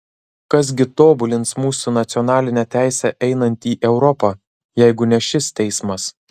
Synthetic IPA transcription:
kɐs̬ɡʲɪt̪oːbʊlʲɪnt̪smuːsunɐt̪sʲɪɔnɑːlʲɪnʲɛt̪ʲæˑɪsʲɛʔɛɪnɐnʲt̪ʲiːʔɛʊɾɔpɑ | jɛɪɡʊnʲɛʃʲɪst̪ʲɛɪsmɐs

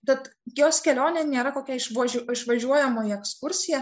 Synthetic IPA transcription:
t̪ʲɛt̪joːskʲɛlʲoːnʲeːnʲeːɾɐkoːkʲɛɪʃoɪʃʋɐʒʲuɔjɛmoːjɛkskʊɾʲsʲɪjɛ

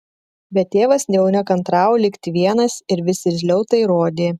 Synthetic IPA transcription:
bʲɛt̪ːʲeːʋɐsnʲɛɛʊnʲɛkɐnt̪ɾɑːʊlʲɪkt̪ʲɪʋʲiɛnɐsɪɾʋʲɪsʲɪzʲlʲɛʊt̪ɐɪɾoːd̪ʲeː

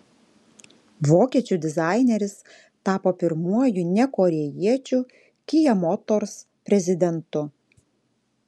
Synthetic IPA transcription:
ʋoːkʲiɛt͡ʃʲuˑd̪ʲɪzɑˑɪnʲɛɾʲɪs | t̪ɑːpoːpʲɪɾmuɔjʊnʲɛkɔɾʲɛjiɛt͡ʃʲu | kʲijɛmɔt̪ɔɾs | pʲɾʲɛzʲɪd̪ʲɛnt̪ʊ

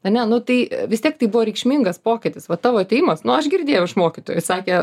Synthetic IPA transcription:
ɐnʲɛnʊt̪ɐɪʋʲɪsʲtʲiɛk̚t̪ɐɪbʊʋoːɾʲɛɪkʃʲmʲiŋɡɐspoːkʲɪt̪ʲɪsʋɐt̪ɑːʋoːɐt̪ʲɛjimɐsnʊɐʃɡʲɪɾʲd̪ʲeːjɛʊɪʃmoːkʲɪt̪oːjʊsɑːkʲɛ

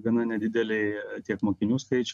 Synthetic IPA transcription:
ɡɐnɐnʲɛd̪ʲɪd̪ʲɛlʲɛɪt̪ʲiɛkmoːkʲɪnʲuːskɐɪt͡ʃʲ

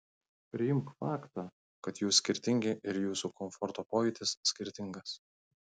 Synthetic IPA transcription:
pʲɾʲɪjɪmkfɑːkt̪aː | kɐt̪juːsʲkʲɪɾʲt̪ʲɪŋʲɡʲɪʔɪɾjuːsukɔmfɔɾt̪oːpoːjʲɛt̪ʲɪsːʲkʲɪɾʲt̪ʲɪŋɡɐs

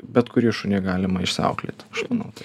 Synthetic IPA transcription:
bʲɛt̪kʊɾʲiːʃʊnʲɪːɡɑːlʲɪmɐɪʃsʲɐ̰ʊklʲḛt̪ʲɐʃmɑnɐʊt̪ɐɪ

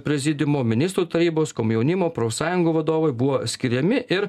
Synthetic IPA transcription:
pʲɾʲɛzʲɪd̪ʲɪmoːmʲɪnʲɪst̪ɾuːt̪ɐɾʲiːboːskoːmjɛʊnʲɪmoːpɾoːsɑːjʊŋɡuːʋɐd̪oːʋɐɪbʊʋoːsʲkʲɪɾʲɛmʲɪʔɪɾ

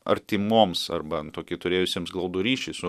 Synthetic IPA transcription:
ɐ̰ɾʲt̪ʲimoːmsɐ̰rbɐt̪oːkʲɪt̪ʊɾʲeːjʊsʲiːmsɡlˠɐʊd̪ʊɾʲiːʃʲɛɪsʊ

